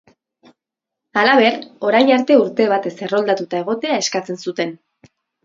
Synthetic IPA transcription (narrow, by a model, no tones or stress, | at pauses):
alaβ̞e̞ɾo̞ɾajnaɾt̪e̞uɾt̪e̞β̞at̪e̞se̞ro̞ld̪at̪ut̪ae̞ɣ̞o̞t̪e̞ae̞skat͡se̞nsut̪e̞n